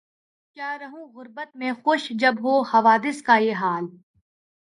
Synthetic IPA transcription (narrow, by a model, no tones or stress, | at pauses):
kjaːɾɐɦũɣʊɾbət̪mẽxʊʃd͡ʒɐbɦoːhɐʋaːd̪ɪskajeːɦaːl